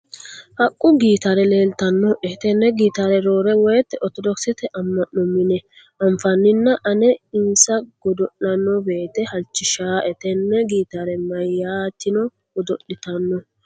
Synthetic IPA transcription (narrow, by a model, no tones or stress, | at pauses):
hɐkʼːʊɡiːt̪aɾɛleːlt̪ɐnːɔʔɛt̪ɛnːɛɡiːt̪aɾɛɾoːɾɛwɔjt̪ːɛɔɾt̪ɔd̪ɔksɪt̪ɛʔɐmːɐnːɔmɪnɛ | ʔɐmfɐnːɪnːɐʔɐnɛɪnsɐɡ̥ɔd̪ɔʔːɐnːɔbe̞ːt̪ɛhɐlt͡ʃːɪʃaːʔɛt̪ɛnːɛɡiːt̪aɾɛmɐjːaːt̪ːɪnɔ | ɡɔd̪ɔʔːɪt̪ɐnːɔ